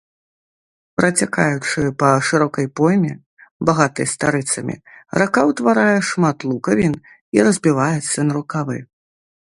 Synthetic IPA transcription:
pɾɐt͡sʲakajut͡ʂɨpɐʂɨɾɔkɐjpɔjmʲɛ | baɣat̪ɨjst̪aɾɨt̪sɐmʲḭɾakawt̪vaɾajɛʂmat̪lˠukɐvʲin | iɾɐzʲbʲivajɛt̪sːɐnɐɾukavɨ̰

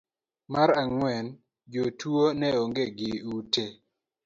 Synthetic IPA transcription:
maɾaŋwɛn | d͡ʒotuonɛoŋɡeɡɪute

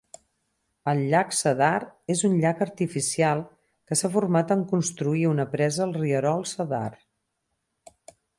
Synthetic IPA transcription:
əlˠʎaksəðarezunʎakəɾt̪ifisialˠ | kəsafuɾmat̪əŋkunst̪ɾuiunəpɾɛzəlˠriəɾɔlˠsəða̰r

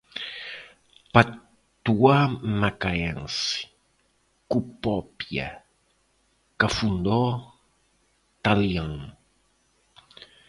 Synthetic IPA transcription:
pa | t̪uamakaɛ̃nsi̥ | kupopja̰ | kafund̪o | t̪aljãŋ

